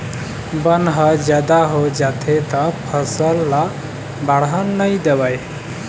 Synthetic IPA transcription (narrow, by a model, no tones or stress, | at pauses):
bənɦəd͡ʒjad̪aɦod͡ʒat̪ʰet̪əpʰəsəlːa | baɽɦənːəjd̪ebaj